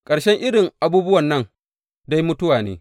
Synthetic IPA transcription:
kʼɐ˨ɾʃɛ˦ŋʔɪ˦ɽɪ˨ŋʔa˨buː˦bʊ˦wɐ˨nːɐ˦ŋ | da˦jmʊ˦tʊ˦waː˨nḛː˦

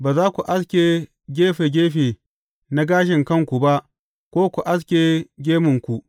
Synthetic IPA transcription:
baː˨zaː˦kʷu˨ʔa˦skʲeː˨ | ɡʲeː˦ɸeː˨ɡʲeː˦ɸeː˨ | na˦ɡaː˦ʃ̬ɪ˨ŋkɐ˦˨ŋkʷu˨ba˦ʔ | kʷoː˦kʷu˨ʔa˦s̬kʲeː˨ɡʲeː˦mʊ˨ŋkʷu˨ʔ

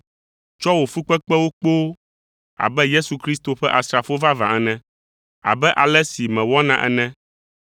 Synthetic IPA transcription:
t͡ʃɔ˦wo˨fu˦k͡pɛ˦k͡pɛ˦wo˦k͡po˦ | a̰˨bɛ˦je˦su˨kɾi˦st̪o˨ɸɛ˦ʔa˨sɾa˨fo˦va˦vã̰˨ɛ˨nɛ̃˦ | a̰˨bɛ˦ʔa˨lɛ˦si˨mɛ̃˨wɔ˦nã˦ʔɛ̰˦nɛ̃˦

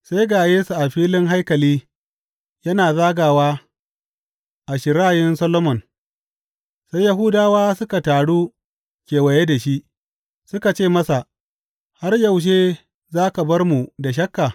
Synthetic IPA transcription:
sa˦jɡaː˨jeː˦su˨ʔa˨ɸiː˦lɪ˦ŋɦa˦jkɐ˨liː˦ | jɐ˦naː˨zaː˦ɡaː˨waː˦ | ʔa˨ʃɪ˨ɾaː˦˨jɪ˦nsɐ˦lo˦mɔ˨n | sa˦ja˨ɦu˦daː˦waː˦sʊ˦ka˨taː˨ɽuː˦ | kʲeː˨wɐ˨je˦da˨ʃi˦ʔ | sʊ˦ka˨t͡ʃeː˦˨mɐ˦sa˨ʔ | ha˦rjɐ˨wʃ̬eː˦ | zaː˦ka˨bɐ˦rmu˨da˨ʃ̬ɐ˦kːaː˨

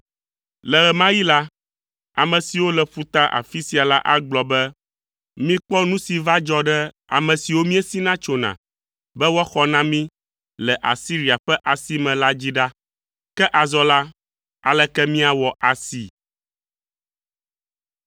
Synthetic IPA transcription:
lɛ˨ɣɛ˨mã˦ji˦la˦ | a˨mɛ̃˨si˨wo˦lɛ˨ɸu˦t̪a˦ʔa̰˨fi˦si˨a˨la̰˦ʔa˦ɡ͡blɔ˨bɛ˦ | mĩ˦k͡pɔ˦nũ˦si˨va˦d͡ʒɔ˦ɖɛ˦ | a̰˨mɛ̃˨si˨wo˦mĩ˦ɛ˦si˦nã˦t͡ʃo˨nã̰˨ | bɛ˦wɔ˦xɔ˦nã˦mĩ˦ | lɛ˨ʔa̰˨si˦ɾi˨a˨ɸɛ˦ʔa˨si˦mɛ̃˨la˦d͡ʑi˦ɖa˦ | kɛ˦ʔa˨zɔ˦la˦ | a̰˨lɛ˦kɛ˦mĩ˦a˨wɔ˨ʔa˨si˨

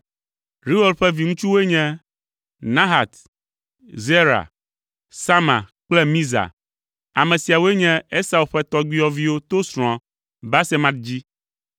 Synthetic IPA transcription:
ɾi˦wo˦lɸɛ˦vi˨ŋũ˦t͡ʃu˦wo˦e˦ɲɛ̃˦ | nã˦ɦa˨t̪ | ze˦ɾa̰˨ | sa˦mã̰˨k͡plɛ˦mĩ˦za̰˨ | a˨mɛ̃˨si˨a˨wo˦e˦ɲɛ̃˦e˦sa˨u˨lɸɛ˦t̪ɔ˦ɡ͡bi˦ɔ˦vi˦wo˦t̪o˦sɾ̃ɔ̃˨ | ba˦sɛ˦mã˦t̪̚d͡ʑi˦

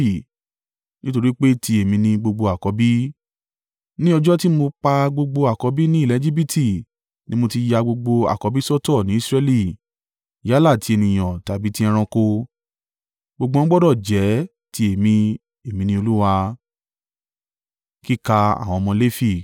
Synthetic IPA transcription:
i˦˨ | nĩ˦to˧ɾi˦k͡pe˦ti˧e˨mĩ˧nĩ˧ɡ͡bo˧ɡ͡bo˧a˨kɔ˨˧˦bi˦ | nĩ˦ɔ˧d͡ʒɔ˦ti˦mo˧k͡pa˧ɡ͡bo˧ɡ͡bo˧a˨kɔ˨˧˦bi˦nĩ˦˨lɛ˨˦d͡ʒi˦bi˦tʰi˦˨ | nĩ˦mo˧ti˧ja˧ɡ͡bo˧ɡ͡bo˧a̰˨kɔ˨˧˦bi˦sɔ˦tɔ˦˨nĩ˨˦i˦sɾɛ˧li˦˨ | ja˨˦la˦˨ti˨˦e˧nĩ˨j̃ɔ̃˨ta˨bi˦tĩ˦ɛ̃˧ɾ̃ɔ̃˧ko˧ | ɡ͡bo˧ɡ͡bo˧˦ɔ̃˦ɡ͡bɔ˦dɔ˦˨d͡ʒɛ˨˦ | ti˧˦e˨mĩ˧ | e˨mĩ˧nĩ˧o˧lu˦wa˧ | ki˦ka˧a̰˨w̃ɔ̃˧mɔ̃˧le˦fi˦˨

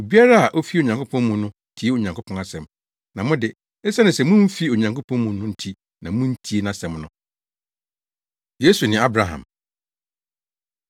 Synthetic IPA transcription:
o˨bi˦a˦ɾa˦a˨ʔo˦fi˦˨o˨ɲã˨ŋkʰo˦pʰɔ̃˦n˦mũ˨nʊ̃˦tʰi˦e˦o˨ɲã˨ŋkʰo˦pʰɔ̃˦na˦sɛ̃˨m | nã˨mʊ̃˦dɪ˨ | ɛ˦sa˦nɪ̃˨sɛ˨mʊ̃˦m̩˦fi˦o˨ɲã˨ŋkʰo˦pʰɔ̃˦nmũ˨nʊ̃˦n̩˦tʰi˦ | nã˨mũ˦n̩˦tʰi˦e˦nã˨sɛ̃˨mnʊ̃˨ | je˦su˨nɪ̃˨˦a˦bɾa˨ɦã̰˨m

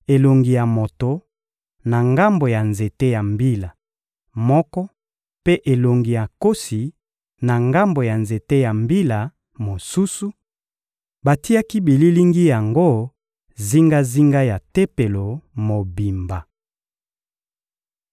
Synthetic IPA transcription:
e˨lo˨ŋɡi˨ja˨mo˨to˨ | na˨ŋɡa˦mbo˨ja˨nze˨te˦ja˨mbi˦la˨ | mɔ˦kɔ˦ | pe˦ʔe˨lo˨ŋɡi˨ja˨ko˦si˨ | na˨ŋɡa˦mbo˨ja˨nze˨te˦ja˨mbi˦la˨ | mo˨su˦su˦ | ba˨ti˦a˦ki˦bi˨li˦li˦ŋɡi˦ja˨ŋɡo˦ | zi˦ŋɡa˦zi˦ŋɡa˦ja˨te˦pe˨lo˨mo˨bi˨mba˨

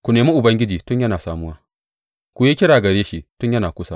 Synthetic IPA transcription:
kʷu˨neː˨mi˦ʔʊ˨bɐ˦ŋɡʲɪ˦d͡ʒiː˨tʊ˦ɲjɐ˦naː˨saː˨mʊ˦waː˦ | kʷu˨jeː˦kʲɪ˦ɽaː˨ɡɐ˨ɽeː˦ʃi˦tʊ˦ɲjɐ˦naː˨kʷʊ˦sa˦˨

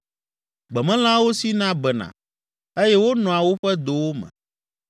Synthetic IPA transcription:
ɡ͡bɛ˨mɛ̃˦l̃ã˦wo˦si˦nã˦bɛ˨nã̰˨ | e˦jɛ˦wo˦nɔ̃˨a˨wo˦ɸɛ˦d̪o˨wo˦mɛ̰̃˨

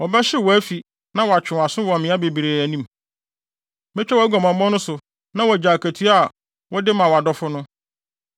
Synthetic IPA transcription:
wɔ˨bɛ˦ɕɪ˦wɔ˨æ˦fi˨ | nã˦wɔ˨a˨t͡ɕᶣɪ̃˨a˨sʊ̃˦wɔ˨mɪ̃˨˦a˦be˨bi˨ɾe˨æ˨nĩ˦m | mɛ˦t͡ɕᶣɛ˦wɔ˨˦æ˦ɡɔ̃˨mã˨mɔ̃˦nʊ̃˦sʊ˨ | nã˦wɔ˨d͡ʑa˨kʰæ˨tʰi˦a˨ | wɔ˦dɪ˦mã˨wa˨dɔ˦fʊ˦nʊ̃˦

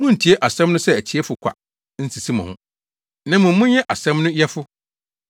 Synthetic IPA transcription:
mʊ̃˦n̩˨tʰi˨e˦ʔa˨sɛ̃˦mnʊ̃˦sɛ˦æ˨t͡ɕʰi˨ɛ˦fʊ˨kʰʷa̰˨ | n̩˦si˨si˦mã˨hʊ̃˦˨ | nã˦mʊ̃˨˦mʊ̃˦ɲɛ˦ʔa˨sɛ̃˦mnʊ̃˦jɛ˦fʊ˦

